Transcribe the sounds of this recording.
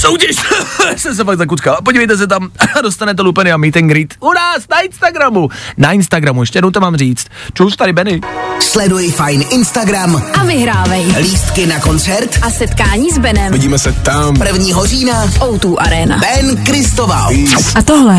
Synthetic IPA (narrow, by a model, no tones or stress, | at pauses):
sowcɛʃasɛms̬ɛfaɡ̪̚zak̬ut͡skalap̬oɟivɛjt̪ɛs̬ɛt̪̬amdost̪anɛt̪̬ɛlupɛnɪamit̪ɛŋɡɾit̪unaːsnaɪnst̪aɡɾamunaɪnst̪aɡɾamujɛʃ̬cɛjɛdnowt̪amaːmriːt͡st̪t͡ʃɛwsɛt̪aɾɪbɛnɪslɛdujɪfajnʔɪnst̪aɡɾamʔavɪɦɾaːvajliːst̪kɪnako̞nt͡sɛɾt̪ʔasɛt̪kaːɲiːzbɛnɛmvɪɟiːmɛsɛt̪ampr̩vɲiːɦoziːnaʔowt̪uːʔaɾɛːna̰b̥ɛnkɾɪst̪ovaʔat̪oɦlɛ